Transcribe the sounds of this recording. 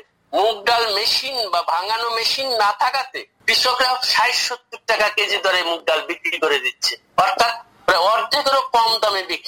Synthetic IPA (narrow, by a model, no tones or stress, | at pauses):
muk̚ɖalmeʃinbabʱaŋanomeʃinːat̪ʰakat̪e | bɾiʃokɾabʃajʃot̪ːik̚ʈakaked͡ʑid̪ʱɔɾemuk̚ɖalbikɽikoɾed̪itːɕʰe | ɔɾt̪ʰat̪̚ | ɾaɔɾd͡ʑekoɾokɔmd̪amebikɾi